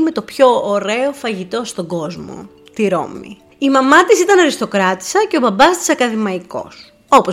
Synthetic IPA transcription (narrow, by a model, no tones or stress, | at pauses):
me̞t̪o̞pço̞ːɾe̞o̞fɐʝit̪o̞st̪o̞ɡo̞zmo̰ | t̪iɾo̞̰mḭ | imɐmɐt̪isit̪ɐnɐɾist̪o̞kɾɐt̪i̥sɐce̞obɐbɐst̪i̥sɐkɐðimɐiko̞̰s | o̞po